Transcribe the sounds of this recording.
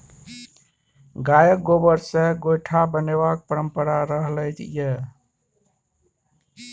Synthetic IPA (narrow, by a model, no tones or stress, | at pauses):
ɡajəkɡobəɾsẽɡojʈʰabəneβak̚pəɾəmpəɾaɾəɦləjt̪je